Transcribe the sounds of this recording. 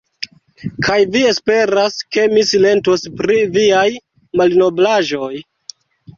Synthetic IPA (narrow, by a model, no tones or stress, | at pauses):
kʰajvie̞spe̞ɾaske̞misile̞ntospɾiviaj | malno̞blaʒo̞j